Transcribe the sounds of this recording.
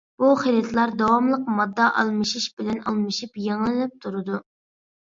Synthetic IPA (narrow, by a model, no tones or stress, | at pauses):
b̥uχelɛt̪ʰlˠɑɾd̪ɑwɑmlˠəqmɑd̪ːɑʔɑ̰lˠmɨʃiʃbɪlɛnɑ̰lˠmɨʃipjeŋlˠɨnɛp̚t̪ʰuɾɨd̪u